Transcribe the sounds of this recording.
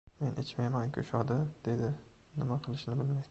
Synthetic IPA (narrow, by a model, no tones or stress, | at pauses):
me̞nʔet͡ʃmajmankʲʰʊ̰ʃɒd̪ɪd̪̥e̞d̪ɪ | nɪmaqʰɨlˠɪʃnɪbɪlmajd̪ɪ